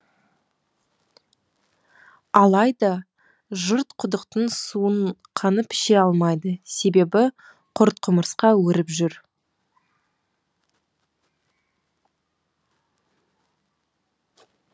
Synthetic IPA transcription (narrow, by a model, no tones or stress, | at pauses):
ɑlˠɑjd̪ɑ | ʒəɾt̪qʰʊd̪əqt̪ənsuəɴqʰɑnəpʰɪ̥ʃe̞ɑlˠmɑjd̪əse̞be̞bɪ | qʰʊɾt̪̚qʰʊməɾsqɑwɵɾɪpʒʏɾ